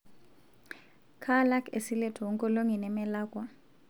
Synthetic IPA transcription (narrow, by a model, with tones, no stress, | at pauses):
kʰa˦la˦kʰḛ˨si˦lɛ˦tʰɔ˨wɔ˨ŋkʼɔ˦lo˦ŋi˨nɛ˨mɛ˦laː˦kʼwɔ˨